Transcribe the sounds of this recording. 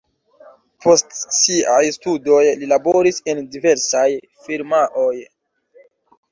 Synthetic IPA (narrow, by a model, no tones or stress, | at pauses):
pʰo̞stsiajstudo̞jlilaboɾise̞ndive̞ɾsaj | fiɾmaʔoj